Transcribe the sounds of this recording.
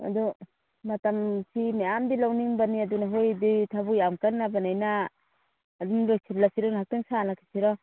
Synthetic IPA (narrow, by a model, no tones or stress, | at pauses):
a̰du | matamsimeamdilawniŋbaniadunaɦojdijtʰabujamkanːabanajnaː | dumlojsʰitlasiɾɔnhak̚tɯŋsanakʰi̥siɾɔ